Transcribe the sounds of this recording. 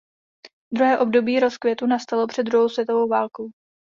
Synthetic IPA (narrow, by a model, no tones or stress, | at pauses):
d̪ɾuɦɛːʔo̞bdo̞biːɾo̞skvjɛt̪unast̪alo̞pr̝̥ɛd̪d̪ɾuɦowsvjɛt̪o̞vo̞wvaːlko̞w